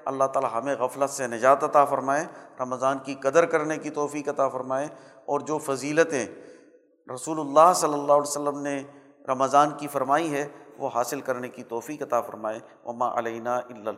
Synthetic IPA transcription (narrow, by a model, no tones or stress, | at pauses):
ɐ̰lːaɦt̪aːlaɦɐmẽɣɐflət̪senɐd͡ʒaːt̪ɐt̪afɐɾmaːeɾɐməzaːnkikɐd̪əɾkɐɾnekit̪ɔːfiːkɐt̪afɐɾmaːe | ɔːɾd͡ʒoːfɐziːlət̪ẽ | ɾɐsuːlʊlːaːɦsɐlːəlːaːɦlsəlːəmne | ɾɐməzaːnkifɐɾmaːiɦɛʋoɦaːsɪlkɐɾnekit̪ɔːfiːkɐt̪afɐ̰ɾmaːe | ʋɐmaːʔɐ̰lɐɪnaːʔɪlːə